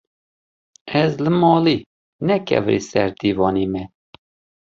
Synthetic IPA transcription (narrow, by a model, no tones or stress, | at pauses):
ɛzlɨmɑːli | nɛkʰɛ̰vɾḭsɛɾd̪iːvɑːnimɛ